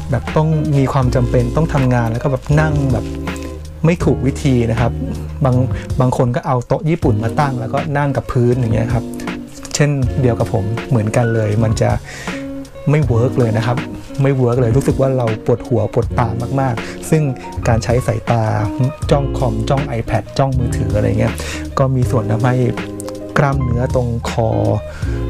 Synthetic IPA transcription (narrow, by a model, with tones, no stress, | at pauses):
bɛː˨˩p̚t̪ɔ˥˩ŋmiː˧kʰwaː˧mt͡ɕa˧mpe˧nt̪ɔ˥˩ŋt̪ʰa˧mŋaː˧nlɛː˦˥wkɔː˥˩bɛː˨˩p̚na˥˩ŋbɛː˨˩p̚ | ma˥˩jt̪ʰuː˨˩k̚wi˦˥t̪ʰiː˧na˦˥kʰa˦˥p̚baː˧ŋbaː˧ŋkʰo˧nkɔː˥˩ʔa˧wt̪o˦˥k̚jiː˥˩pu˨˩nmaː˧t̪a˥˩ŋlɛː˦˥wkɔː˥˩na˥˩ŋka˨˩pʰːɯː˦˥nja˨˩ŋːi˦˥ɐ˥˧kʰa˦˥p̚ | t͡ɕʰe˥˩ndi˧əwka˨˩pʰo˩˦mːɯ˨˩˦ənka˧nlɤː˧jma˧nt͡ɕa˨˩ | ma˥˩jwɤː˦˥k̚lɤː˧jna˦˥kʰa˦˥p̚ | ma˥˩jwɤ˦˥k̚lɤː˧jɾuː˦˥sɯ˨˩k̚waː˥˩ɾa˧wpu˨˩ət̪̚hu˩˦ɐpu˨˩ət̪ːaː˧maː˥˩k̚maː˥˩k̚ | sɯ˥˩ŋ | kaː˧nt͡ɕʰa˦˥jsa˩˦jt̪aː˧t͡ɕɔ˥˩ŋkʰɔ˧mt͡ɕɔ˥˩ŋʔa˧jpʰɛ˦˩t̪̚t͡ɕɔ˥˩ŋmɯː˨˦˥t̪ʰɯː˩˦ʔa˧ɾa̰˧ja˨˩ŋː˧i˦˥ɐkɔː˥˩miː˧su˨˩ənt̪ʰa˧mha˥˩j | kɾa˥˩mnɯ˦˥ɐt̪o˧ŋkʰɔ̰ː˧